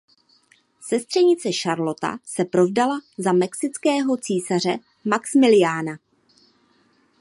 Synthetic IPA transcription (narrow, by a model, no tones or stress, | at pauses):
sɛst̪r̝̥ɛɲɪt͡sɛʃaɾlo̞t̪a̰sɛpɾo̞vdalazamɛksɪt͡skɛːɦo̞t͡siːsar̝ɛ | maksmɪlɪjaːna